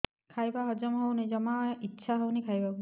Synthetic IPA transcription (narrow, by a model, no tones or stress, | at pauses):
kʰajbaɦɔd͡ʒɔmɦownejzɔmaitːʃʰaɦownejkʰajba